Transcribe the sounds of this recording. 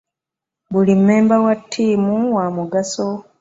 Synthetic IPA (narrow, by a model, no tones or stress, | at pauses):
βulimːe̞ːmbawatʰːiːmuwamuɡaso